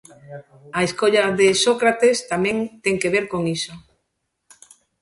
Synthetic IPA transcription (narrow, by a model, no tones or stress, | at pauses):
aeskoʎaðesokɾat̪est̪amẽŋt̪eŋkeβeɾkoŋiso